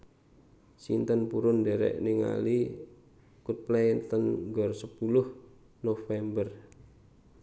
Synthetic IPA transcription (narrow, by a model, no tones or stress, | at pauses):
sint̪ənpuɾʊndɛɾɛ̰ʔniŋa̰li | kut̪̚plɛnt̪ənɡɔrsəpulʊh | nofɛmbər